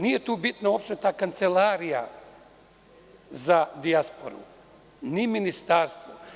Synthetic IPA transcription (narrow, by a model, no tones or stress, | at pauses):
nije̞t̪uːbit̪nao̞pʃt̪e̞t̪aːkant̪selaːɾija̰ | zad̪iaspo̞̰ɾṵ | niminist̪aːɾst̪vʋo